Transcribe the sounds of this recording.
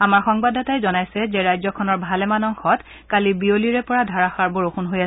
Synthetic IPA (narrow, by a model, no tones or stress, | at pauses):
amaɹxɔŋbadʱɔtajzɔnajsɛzɛɹajzɔkʰɔnɔɹbʱalɛmanɔŋxɔt | kalibioliɹɛpɔɹadʱaɹaxaɹbɔɹoxunɦoja